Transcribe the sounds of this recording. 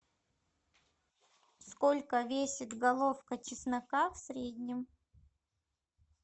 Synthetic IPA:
sko̞lʲkəvʲesʲɪt̪ɡɐlˠofkət͡ɕɪsnɐkafsʲɾʲed̪ʲnʲɪm

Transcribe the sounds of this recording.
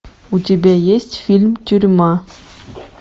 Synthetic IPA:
ut̪ʲibʲæjesʲtʲfʲilʲmtʲyɾʲmɑ

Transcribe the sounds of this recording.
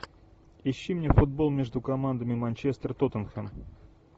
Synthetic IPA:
ɪɕːimnʲefʊd̪̚bolˠmʲeʐd̪ʊkɐmand̪əmʲɪmɐnʲt͡ɕest̪rt̪ot̪ənxən

